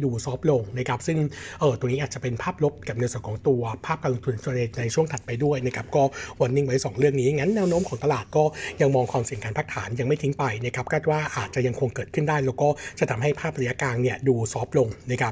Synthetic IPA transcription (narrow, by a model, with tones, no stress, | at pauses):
duː˧sɔː˦˥p̚lo˧ŋna˦˥kʰɾa˦˥p̚sɯ˥˩ŋʔɤː˨˩t̪u˧ŋniː˦˥ʔ̪̚ːt͡ɕa˨˩pe˧npʰaː˥˩p̚lo˦˥p̚ka˨˩p̚na˧sa˨˩˦kʰɔː˩˦ŋt̪u˧ɐpʰaː˥˩p̚kaː˧lu˧ŋt̪ʰu˧˩nt͡ɕʰo˧nː˧na˧jt͡ɕʰu˥˩əŋt̪ʰa˨˩t̪̚pa˧jdu˥˩əjna˦˥kʰa˦˥p̚kɔː˥˩wa˧nːi˥˩ŋwa˦˥jsɔː˩˦ŋɾɯ˥˩əŋ̚niː˦˥˨ŋa˦˥nːɛː˦˥wnoː˦˥mkʰɔː˩˦ŋt̪a˧laː˨˩t̪̚kɔː˥˩ja˧ŋmɔː˧ŋkʰwaː˧msi˨˩ŋkaː˧npʰa˦˥k̚t̪ʰaː˩˦nja˧ŋma˥˩jt̪ʰi˦˥ŋpa˧jna˦˥kʰa˦˥p̚kʰaː˥˩t̪̚waː˥˩ʔaː˨˩t̪̚t͡ɕa˨˩ja˧ŋkʰo˧ŋkɤː˨˩t̪̚kʰɯ˥˩ndaː˥˩jlɛː˦˥wkɔː˥˩t͡ɕa˨˩t̪ʰa˧mɦa˥˩jpʰaː˥˩p̚ɾa˧ja˦˥kaː˧nni˥˩ɐduː˧sɔː˦˥p̚lo˧ŋna˦˥kʰa˦˥p